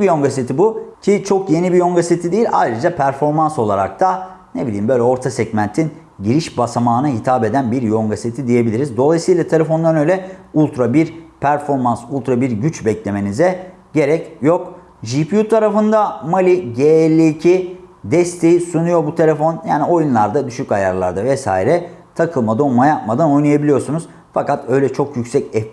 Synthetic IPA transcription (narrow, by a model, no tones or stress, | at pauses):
bijoŋɡaset̪ʰibucʰit͡ʃʰo̞kje̞nibijo̞ŋɡaset̪ʰid̪ejilʲʔa̰jɾɯd͡ʒapʰæɾfo̞ɾmanso̞lˠaɾa̰k̚t̪ʰa | nebilʲiːmbø̞jlʲɛo̞ɾt̪ʰasɛɟmænt̪ʰin | ɟiɾiʃbasamaːnaɦit̪ʰaːbe̞d̪ænbiɾjo̞ŋɡaset̪ʰid̪ije̞bilʲiɾizd̪o̞lˠajsɯjlˠat̪ʰeefo̞nd̪anø̞jlʲɛulˠt̪ɾabiɾpʰæɾfo̞ɾmansulˠt̪ɾabiɾɟyt͡ʃbɛclʲe̞me̞nizɛ | ɟe̞ɾɛcjo̞k | ʒipjut̪ʰaɾafɯnd̪amalʲiɟeɛlʲːiːcʰid̪ɛst̪ʰe̞jisunujo̞but̪ʰe̞lʲefo̞njaːnio̞junlˠaɾd̪ad̪yʃycajaɾlˠa̰ɾd̪avɛsa̰ːiɾɛt̪ʰakʰɯlˠmad̪o̞majap̚mad̪ano̞jnajabilijo̞ɾsunuz̥ | fakat̪ø̞jlʲɛt͡ʃʰo̞kjycʲsɛcɛ